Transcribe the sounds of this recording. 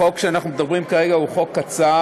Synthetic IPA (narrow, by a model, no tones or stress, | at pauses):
o̞kʃeanaχnumedabʁimkaʁeɡauχo̞kːat͡sa